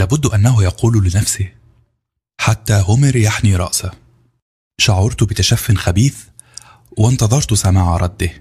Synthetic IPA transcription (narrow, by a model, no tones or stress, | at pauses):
læːbʊd̪ːʔænːæɦʊjɑquːllɪnæfsi | ħat̪ːæɦʊmæɾjaħniɾˤɑ̰ʔsa | ʃɑʕɑɾˤt̪ʊbɪt̪æʃæfːɪnxæbiːθ | wɪnt̪ɑðˤɑɾˤt̪sæmaːʕaɾˤɑd̪ːi